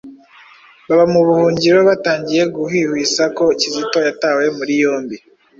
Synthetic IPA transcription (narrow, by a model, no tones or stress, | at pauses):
βaβamuβuhuːɲɟiɾo̞βataːɲɟije̞ɡuhihwiːsako̞cizito̞jatawe̞muɾijo̞ːmbi